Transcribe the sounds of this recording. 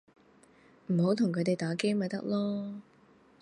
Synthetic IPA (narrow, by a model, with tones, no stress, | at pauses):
m̩˨˩ɦo˨˥wt̪ʰʊ˨˩ŋkʰɵ˨˧t̪e˨jt̪aː˨˥keː˥mɐː˨˧t̪ɐ̰˥k̚lɔː˥